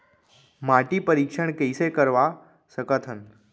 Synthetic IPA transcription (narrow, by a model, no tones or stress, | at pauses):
maʈipəɾikʂəɳkəjsekəɾʋa | səkət̪ʰən